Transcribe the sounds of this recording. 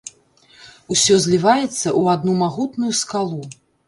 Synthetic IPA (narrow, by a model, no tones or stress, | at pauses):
usʲɔzʲlʲivajɛt̪sːɐʔuad̪numaɣut̪nujuskalˠu